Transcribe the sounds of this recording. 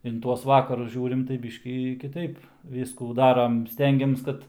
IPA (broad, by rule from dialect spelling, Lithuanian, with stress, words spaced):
ɪn ˈtuɔs ˈʋɑːkɐrʊs ˈʒʲuːrʲɪm tɐɪ ˈbʲiːʃʲkʲiː kʲɪˈtɐɪp ˈʋʲiːskuː ˈdɑːrɐm ˈsʲtʲɛŋʲɡʲɛms ˈkɐt